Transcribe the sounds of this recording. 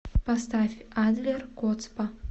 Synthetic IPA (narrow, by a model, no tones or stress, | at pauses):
pɐst̪afʲad̪lʲerkɔt̪spɐ